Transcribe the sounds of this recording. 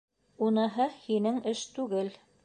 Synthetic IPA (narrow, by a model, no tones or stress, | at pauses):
unɤɦɤhinɘŋɘʃt̪ʉɡɘl